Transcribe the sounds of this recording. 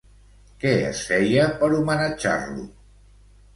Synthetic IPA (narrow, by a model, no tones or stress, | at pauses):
kɛə̰sfɛjəpəɾumənəd͡ʒa̰rlṵ